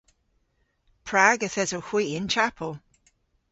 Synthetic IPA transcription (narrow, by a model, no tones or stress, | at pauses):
pʰɹaːɡəθɛzowxwiːɪnt͡ʃapʰəlˠ